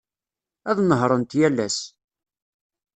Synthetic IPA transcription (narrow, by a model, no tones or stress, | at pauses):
æðnəɦɾˤənt̪jælːæ̰s